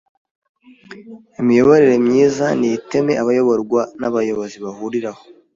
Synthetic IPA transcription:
imijo̞βoɾeɾe̞mɲiːzanijite̞me̞ʔaβajo̞βoɾɡwanaβajo̞βo̞ziβahuɾiɾaho̥

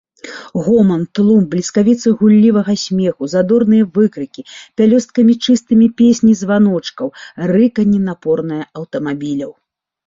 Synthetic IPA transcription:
ɣɔmɐnt̪lˠumblʲiskavʲit̪sɨɣulʲːivɐɣɐsʲmʲɛxuzad̪ɔrnɨjɐvɨkɾɨkʲipʲalʲɔst̪̚kɐmʲit͡ʂɨst̪ɨmʲipʲesʲnʲizvanɔt͡ʂkɐwrɨkɐnʲːinapɔrnɐjɐɐwt̪ɐmabʲilʲɐw

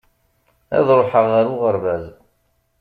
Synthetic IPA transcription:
æ̰ðɾˤoħəʁæɾʊʁəɾˤvæz

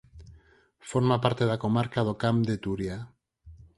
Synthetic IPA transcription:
foɾmapaɾt̪e̞ðakomaɾkaðokamd̪et̪uɾia

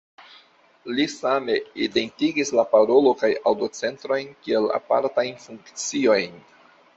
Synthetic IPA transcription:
lisame̞ide̞ntiɡislapaɾo̞lo̞kajawdo̞t͡se̞ntɾo̞jnkie̞la̰pa̰ɾtajnfuŋkt͡sio̞jn

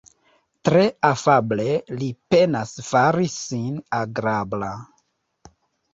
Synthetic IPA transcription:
tɾe̞afable̞lipe̞nasfaɾisinaɡɾabla

